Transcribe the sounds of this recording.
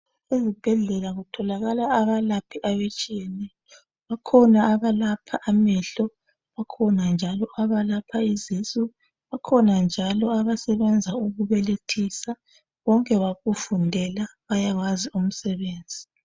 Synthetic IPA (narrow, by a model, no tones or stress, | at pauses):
ezib̥ʱɛɮɛlaɣutʰɔlaɣalaːβalapʰiʔaβet͡ʃʼijɛnɛ | βakʰɔnaːβalapʰaʔamɛɬɔ | βakʰɔnand͡ʒʱalɔʔaβalapʰaizisu | βakʰɔnand͡ʒʱalɔaβasɛβɛnd͡zʱauɣuβɛletʰisa | βɔŋkʼɛβaɣufundʱɛlaβajaɣwazium̩sɛβeːnd͡zʱi